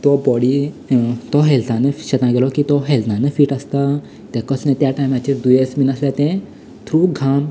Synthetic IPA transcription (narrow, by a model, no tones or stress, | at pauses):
t̪ɔbɔɽi | t̪ɔɦɛlt̪ãneɕɛt̪nãɡelɔkiːt̪ɔɦɛlnãnẽfiːʈast̪a | t̪ɛ̃kəsnẽt̪jaʈajmat͡ɕed̪ujesminəsljat̪ɛ̃ | t̪ʰɾuɡʱam